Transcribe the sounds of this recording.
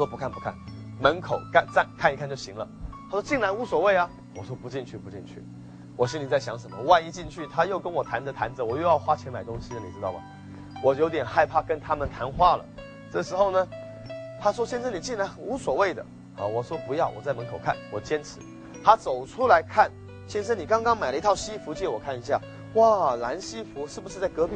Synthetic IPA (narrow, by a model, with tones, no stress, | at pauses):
wɔ˥pu˧˥kʰa˥˩npu˧˥kʰa˥˩nmə˧˥nkʰo˨˩ʊka˥˧nt͡sa˥˧nkʰa˥˩ni˧kʰa˥˧nt͡ɕo˥˩ʊɕḭ˧˥ŋlə˧t̪ʰa˥ʂwɔ˥t͡ɕi˥˩ŋla˧˥ɪu˧˥swɔ˨˩we˥˩ɪɐ˩ | wɔ˨˩ʂwɔ˥pu˧˥t͡ɕi˥˧nt͡ɕʰy˥˩pu˧˥t͡ɕḭ˥˧nt͡ɕʰy̰˥˩ | wɔ˨˩ɕi˥nli˨˩t͡sa˥˩ɪɕjɑ˧˥ŋʂə˨˩nmə˦wa˥˧ɪi˥˧t͡ɕi˥˧nt͡ɕʰy˥˩t̪ʰa˥jo˥˩ʊkə˥nwɔ˨˩t̪ʰa˧˥ndə˧˨t̪ʰa˧˥nd͡zə˨wɔ˨˩jɔ˥˧ʊjɑ˥˧ʊxwa˥t͡ɕʰjɛ˧˥nma˨˩ɪt̪ʊ˥ŋɕi˧nə˧˩ni˨˩ʈ͡ʂɻ̩˥t̪ɑ˥˩ɐ̰˨˩ | wɔ˨˩jo˧˥ʊt̪jɛ˨˩nxa˥˧ɪpʰa˥˩kə˥nt̪ʰa˥mə˨nt̪ʰa˧˥nxwa˥˩lə̰˩ | ʈ͡ʂɤ˥˩ʂɻ̩˧˥xo˥˩ʊnə˩ | t̪ʰa˥ʂwɔ˥ɕjɛ˥˧nʂ̬ə˥ni˨˩t͡ɕi˥˩nla˧˥ɪxu˧˥swɔ˨˩we˥˩ɪd̪ə̰˩ | ɐ̰˥˩wɔ˨˩ʂwɔ˥pu˧˥jɑ˥˩ʊwʔɔ̰˨˩t͡sa˥˩ɪmə˧˥ŋkʰo˨˩ʊkʰa̰˥˩nwɔ˨˩t͡ɕjɛ˥nʈ͡ʂʰɻ̩˧˥ | t̪ʰa˥t͡so˨˩ʊʈ͡ʂʰu˥la˧˥ɪkʰa˥˩n | ɕjɛ˥nʂ̬ə˥ni˨˩kɑ˥ŋkɑ˥ŋma˨˩ɪlə˧i˧˥t̪ʰɑ˥˧ʊɕi˥fu˧˥t͡ɕjɛ˥˩wɔ˨˩kʰa˥˩ni˧˥ɕ̬ja̰˥˩ | wa˥˩la˧˥nɕi˥fu˧˥ʂɻ̩˥˩bu˧˩ʂɻ̩˧t͡sa˥˩ɪkɤ˧˥pi˨˩